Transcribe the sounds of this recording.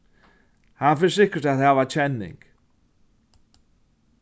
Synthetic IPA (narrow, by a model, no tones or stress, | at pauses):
hanfɪnsɪhkʏɾ̥t̪aðhavat͡ɕʰɛnːɪ̰ŋk